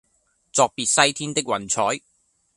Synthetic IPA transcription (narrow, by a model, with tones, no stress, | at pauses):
t͡sɔː˨˧k̚piː˨t̚sɐ˥jt̪ʰiː˥nt̪ɪ˥k̚wɐ˨˩nt͡sʰɔː˨˥j